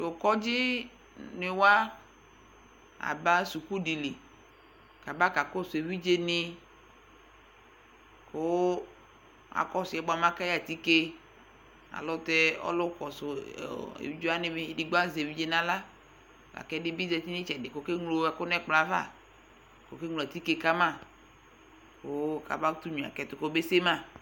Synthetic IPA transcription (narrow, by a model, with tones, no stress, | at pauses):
o˨kɔ˦d͡ʒi˦ | ne˨wa˦ | a̰˨ba˦su˨ku˦ɖi˨le˨ | ka˨ba˦ka˨ko˦so˨e˨vi˦d͡ʒe˦ni˦ | ko˦ | a̰˨kɔ˦sʊ˨ɛ˨bɔ˨a˨mã˦ka˦ja˨t̪i˦ke˦ | a̰˨lɔ˦t̪ɛ˦ɔ̰˦lo˦kɔ˨sʊ̰˨ḛ˨wi˦d͡ʒo˦a˦nɪ̃˦be˦e˨˦di˦ɡ͡ba˦ze˨wi˦d͡ʒe˦nã˦la˦ | la̰˨kɛ˦dɪ˦bi˦zɛ˨t̪i˦nĩ˦t͡ʃɛ˨dɪ˨ko˦ke˦ŋlo˦a˨ko˦nɛ˦k͡pla˨va̰˦˨ | ko˨ke˦ŋlo˨a˨t̪i˦ke˦ka˦mã˦ | ko˦ka̰˨ba˦t̪u˦ɲĩ˨a̰˨kɛ˨t̪ʊ˨ko˦be˦se˦mã˦